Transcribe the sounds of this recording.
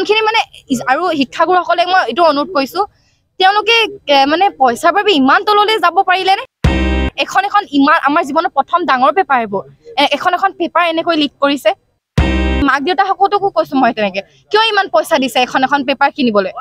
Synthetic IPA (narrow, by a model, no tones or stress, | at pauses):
nkʰinimanɛaɹuɦikʰːaɡuɹxɔkɔlɛmɔjetʊɔnut̚kojsʊ̃ | tɛʊ̃lʊkɛmanɛpɔjsaɹbabiimantɔlolɛzabɔpaɹilɛnɛ | ɛkʰɔnɛkʰɔnimanʔa̰maɹzibɔnɔpɹɔtʰɔmdaŋɔɹpɛpaɹɛboɛkʰɔnɛkʰɔnpɛpaɹɛnɛkojlik̚koɹisɛ | mak̚deʊtaxɔkɔltʊkukojsʊ̃mɔjtɛnɛkɛ | kijɔimanpɔjsadisɛːkʰɔnɛkʰɔnpɛpaɹkinibɔloj